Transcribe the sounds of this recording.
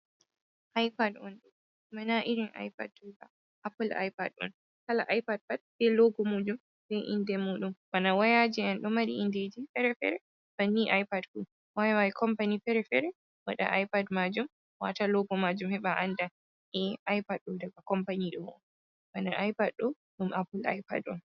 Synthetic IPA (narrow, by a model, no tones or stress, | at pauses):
ʔajpadɔnɗɔ | manaʔiɾinʔa̰jpadːba̰ | ʔapulʔa̰jpadɔ̰n | kala̰ʔajpad̚fad̚ɓɛlɔɡɔmud͡ʒum | bɛʔḭndɛmuɗummanawajad͡ʒiɛnɗɔmaɾiinded͡ʒifɛɾɛfɛ̰ɾɛ | banːiʔajpadfu | wajwaikʰɔmpanifɛɾɛfɛɾɛ | wa̰ɗa̰ʔajpadmad͡ʒum | wa̰talɔɡɔmad͡ʒumhɛɓaʔanda | ʔɛʔajpadɗɔdaɡakɔmpaniɗɔmɔ̰n | manaʔajpadɗɔ | ɗumʔapula̰jpa̰dɔn